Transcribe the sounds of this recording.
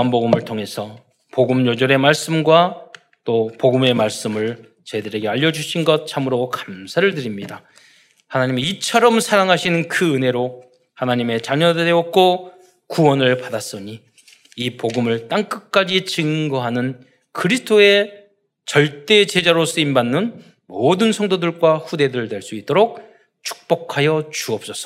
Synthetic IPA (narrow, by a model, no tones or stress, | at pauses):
anboɡɯmɯɭtʰoŋe̞sʰʌ | poɡɯmɲod͡ʑʌɾe̞maɭs͈ɯmɡwa | t͈opoɡɯme̞maɭs͈ɯmɯɭ | t͡ɕedɯɾe̞ɡe̞aʎːʌd͡ʑuɕʰinɡʌt̚t͡ɕʰamɯɾokḁmsʰaɾɯɭdɯɾimɲida | hanaɲimiːt͡ɕʰʌɾʌmsʰaɾaŋɦaɕʰinɯnkɯɯnɦe̞ɾo | hanaɲime̞t͡ɕaɲʌdeʌk͈o | kuwʌnɯɭpadas͈ʌɲiː | poɡɯmɯɭt͈aŋk͈ɯk̚k͈ad͡ʑit͡ɕɯŋɡʌɦanɯn | kɯɾisʰtʰoe̞ | t͡ɕʌɭt͈e̞t͡ɕe̞d͡ʑaɾos͈ɯimbanːɯn | modɯnsʰʌŋdodɯɭɡwaɸude̞dɯɯɭdwe̞ɭs͈uit͈̚oɾok̚ | t͡ɕʰu̥k̚p͈ʌkʰajʌt͡ɕuʌp̚s͈ʌs͈ʌ